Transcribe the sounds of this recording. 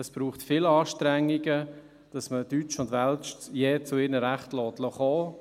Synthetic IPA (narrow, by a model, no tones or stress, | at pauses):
əsb̥ɾuːχtfɪlɑːʃtɾɛŋːiɡə | d̥ɑsmətyːt͡ʃʊndʋɛlt͡ʃjeːt͡sʊɪɾnəɾæχtlɔːtlɔχoː